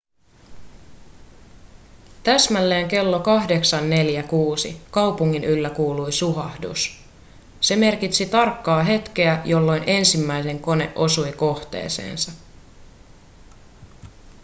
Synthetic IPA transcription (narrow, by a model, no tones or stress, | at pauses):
t̪æsmælːe̞ːŋke̞lːo̞kɑhde̞ksɑnːe̞ljækuːsḭkɑwpuŋːinʔylːækuːlujsuɦɑhdṵs | se̞me̞rkit̪sit̪ɑrkːɑːɦe̞t̪k̟e̞æjo̞lːo̞jnʔe̞nsimːæjse̞ŋko̞ne̞̰ʔo̞sujko̞ht̪e̞̰ːse̞̰ːnsɑ